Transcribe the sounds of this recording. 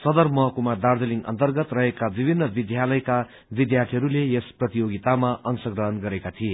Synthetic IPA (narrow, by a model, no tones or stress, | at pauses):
sʌd̪ʌrmʌɦʌkumad̪ard̪ʌliŋʌ̰nt̪ʌrɡʌt̪rʌɦekabibʱinːʌbid̪jalʌjka | bid̪jart̪ʰiɦʌɾulejesprʌt̪ijoɡit̪amaʔʌnsʌɡrʌɦʌnɡʌɾekat̪ʰije